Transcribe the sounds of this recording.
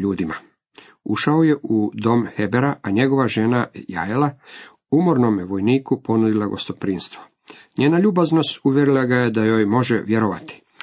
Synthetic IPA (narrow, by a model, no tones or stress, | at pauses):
uːd̪ima | uʃaoje̞ʔud̪o̞mxe̞beɾaʔaɲe̞ɡo̞ʋaʒe̞naja̰jela | umo̞ɾnomjeʋo̞jniːkupo̞nud̪ilˠaɡo̞̰st̪o̞pɾiːnst̪ʋo | ɲeːnaʎuːbazno̞st̪uʋjeɾilˠaɡaje̞d̪ajojmo̞ʒeʋjeɾoʋat̪i̥